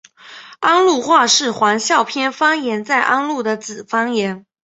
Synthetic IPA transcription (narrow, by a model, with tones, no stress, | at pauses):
a˥nlu˥˧xwa˥˧ʂɻ̩˥˩xwa˧˥nɕjɑ˥˩ʊpʰjɛ˥nfɑ˥ŋjɛ˧˥nt͡sa˥˩ɪʔa˥nlu˥˩d̪ə˦t͡sɹ̩˨˩fɑ˥ŋjɛ˧˥n